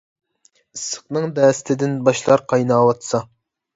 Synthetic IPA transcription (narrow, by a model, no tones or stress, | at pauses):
ɨsə̥qnɨŋd̪ɛːst̪ʰɪd̪ɪnbɑʃlˠɑɾqʰɑjnɑːwɑt̪sɑ